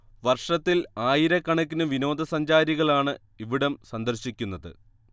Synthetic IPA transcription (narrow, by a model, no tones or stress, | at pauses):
ʋɐrʂɐt̪ːilaːjiɾɐkːɐɳɐk̬ʲːinɨʋino̞ːd̪ɐsɐɲd͡ʑaːɾiɣɐɭaːɳɨ | iʋiɽɐmsɐnd̪ɐrɕikʲːunːɐðɨ̰